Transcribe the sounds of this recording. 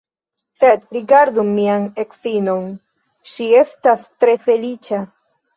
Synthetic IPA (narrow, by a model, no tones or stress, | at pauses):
sedɾiɡaɾdumiane̞ksino̞n | ʃie̞stastɾe̞fe̞lit͡ʃa